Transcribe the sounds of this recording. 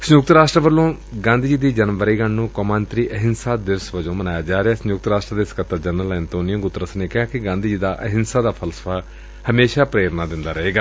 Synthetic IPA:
sənjʊk̚t̪ɾaːsʈɾəʋəlːõː | ɡãːnd̪iːd͡ʒiːd̪iːd͡ʒənmʋəɾiːɡəɳnũːkɔːmãːnt̪ɾiːʔəɦɪnsaːd̪ɪʋsʋəd͡ʒõːmənaːjaːd͡ʒaːɾeaːsəjʊk̚t̪ɾaːsʈɾəd̪eːskət̪ːəɾd͡ʒənəlːnt̪oːnɪjə̃ɡʊt̪ːɾəsneːkɪɦaːkɪɡãːnd̪iːd͡ʒiːd̪aːʔəɦɪnsaːd̪aːpʰəlsə̥pʰaː | həmeːʃaːpɾeːɾnaːd̪ɪnd̪aːɾəɦeːɡaː

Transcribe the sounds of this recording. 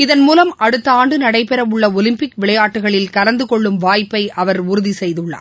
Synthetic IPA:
ɪðɐnmuːlɐmɐɽɯt̪ːɐaːɳɖɯnɐɽɐɪpɛɾɐʋʊɭːɐɔlɪmpɪkʋɪɭɐjaːʈːɯɣɐɭɪlkɐlɐnd̪ɯkɔɭːɯmʋaːjpːɐɪɐʋɐɾʊɾʊðisɛjðɯɭːa̰ː

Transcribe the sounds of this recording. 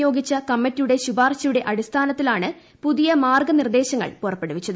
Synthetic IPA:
jo̞ːɡit͡ɕːɐkɐmːɐtːijuɽe̞ɕubaːrɕɐjuɽe̞ʔɐɽist̪ʰaːnɐt̪ːilaːɳɨ | puðijɐmaːrɡɐnird̪e̞ːɕɐŋːɐ̰ɭpurɐpːeɽuʋit͡ɕːɐðɨ

